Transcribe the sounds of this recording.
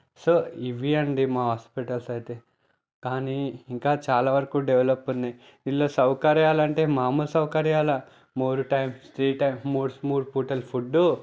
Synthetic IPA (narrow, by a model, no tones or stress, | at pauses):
soːiʋiɐɳɖimaːɦaːspiʈɐlsɐjit̪e̞ː | kaːniːŋkaːt͡ʃaːlaːʋɐɾɐkuɖeʋlɐpːunːaj | ilːo̞ːsɐwkɐɾjaːlɐɳʈe̞ːmaːmulɐsɐwkɐɾjaːlɐ | muːɾuʈɐjmsʈɾiːʈːɐjmːuːɾsmuːɾpuːʈɐlpʰuɖːu